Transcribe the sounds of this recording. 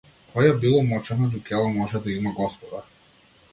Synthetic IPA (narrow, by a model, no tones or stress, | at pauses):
kʰɔjabilˠɔmɔt͡ʃɛnad͡ʒukɛlˠɔmɔʒɛd̪aimaɡɔspɔd̪a